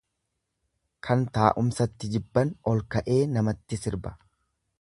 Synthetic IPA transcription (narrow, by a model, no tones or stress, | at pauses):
kʰɐnt̪aːʔʊmsɐt̪ːɪd͡ʒɪbːɐnɔlkɐʔe̞ːnɐmɐt̪ːɪsɪɾbɐ̥